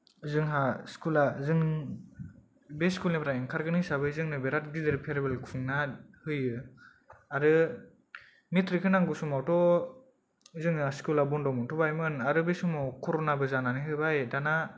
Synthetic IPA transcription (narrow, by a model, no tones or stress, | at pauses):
zɯŋɦaskulazɯŋ | beskulnipʰɾajinkʰaɾɡɯnɯjsabɯzɯŋnɯbeɾat̚ɡidɯɾpʰeɾebelkʰuŋnahɯjɯ | aɾɯ | mitɾikʰɯnaŋɡusumawtɔ | zɯŋnaskulabɔndɔmɯntʰubajmɯnaɾɯbesumawkʰɔɾonabɯzananiɦɯbajdana